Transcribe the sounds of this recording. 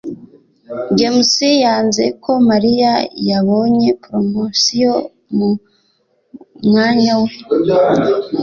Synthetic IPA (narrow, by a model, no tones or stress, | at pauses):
ɟemusijaːnze̞̰kʰo̞maɾijajaβo̞ɲe̞pɾomosijo | mu | mŋaːɲawe